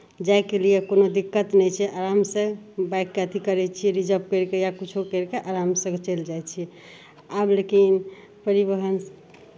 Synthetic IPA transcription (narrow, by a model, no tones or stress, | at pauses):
d͡ʒajkelijekonod̪ikːət̪nɛjt͡ʃʰɛʔaɾamsə̃bajkːeət̪ʰikəɾɛt͡ʃʰieɾid͡ʒəp̚keɾkejakut͡ʃʰokeɾkeʔaɾamsə̃ɡt͡ʃeld͡ʒajt͡ʃʰiɛ | ablekin | pəɾibəɦən